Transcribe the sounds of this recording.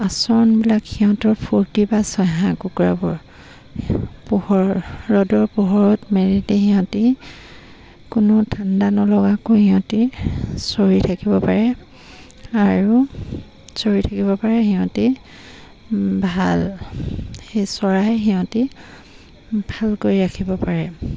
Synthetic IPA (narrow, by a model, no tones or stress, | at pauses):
asɔɹɔnbilakxiɦɔ̃tɔɹpʰuɹtibasɔjɦãkukɹabɔɹ | puhɔɹɹɔdɔɹpuɦɔɹɔtmeɹitexiɦɔ̃ti | kʊnɔtʰandanɔlɔɡakohiɔ̃tisoɹitʰakibɔpaɹɛ | aɹu | soɹitʰakibɔpaɹɛɦiɦɔ̃ti | bʱal | xejsɔɹajɦiɦɔ̃ti | bʱalkoɹiɹakʰibɔpaɹɛ